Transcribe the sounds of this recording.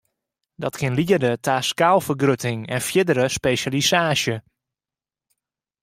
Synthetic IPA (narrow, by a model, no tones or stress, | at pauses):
dɔtkɪnliərdətʰaːskaːlˠfərɡrøtɪŋɛnfjɪdəɾəspeːʃalisaːʃjə